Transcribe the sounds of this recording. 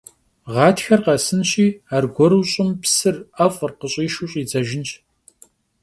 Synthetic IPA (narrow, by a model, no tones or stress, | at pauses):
ʁɑːtʰxɐrqɐsɨnɕʼiːaːrɡʷɔɾuːɕʼɪmpsɨrɐfʼrqəɕʼiːʃuɕʼiːd͡zɐʒɪnt͡ʃ